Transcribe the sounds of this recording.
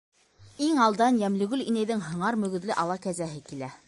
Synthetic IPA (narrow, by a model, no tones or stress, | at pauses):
iŋɑlˠd̪ɑnjæmlɵ̆ɡɵlinæjðɘŋɦɤ̆ɴɑɾmɵ̆ɡɵ̆ðlɘʔɑlˠɑkæzæɦɘkilæ